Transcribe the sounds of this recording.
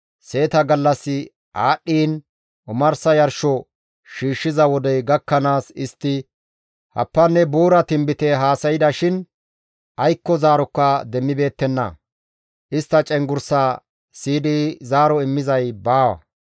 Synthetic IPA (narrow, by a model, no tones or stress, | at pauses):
se̞ːt̪ɐɡɐlːɐsːɪ | ʔaːɗːiːn | ʔʊmɐɾsɐjɐɾʃɔ | ʃiːʃːɪzɐwɔd̪ɛjɡɐkːɐnaːsɪst̪ːɪ | hɐ̰pːɐnːɛbuːɾɐt̪ɪmbɪt̪ɛɦaːsɐjɪd̪ɐʃɪn | ʔɐjkːɔzaːɾɔkːɐd̪ɛmːɪbe̞ːt̪ːɛnːɐ̰ | ʔɪst̪ːɐt͡ʃʼɛŋɡʊɾsaː | siːd̪ɪzaːɾɔɪmːɪzɐjbaːwɐ̰